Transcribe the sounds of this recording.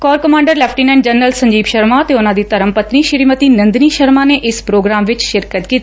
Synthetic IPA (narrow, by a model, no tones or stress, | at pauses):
kɔːɾkəmãːɳɖəɾlɛːpʰʈiːnãːɳɖd͡ʒənːəlsəɲd͡ʒiːbʃəɾmãːt̪eːʊnãːd̪iːt̪əɾəmpət̪niːʃɪɾiːmət̪iːnə̃nd̪niːʃəɾmãːneːʔɪspɾoːɡɾaːmʋɪt͡ʃʃɪɾkət̪kiːt̪i̥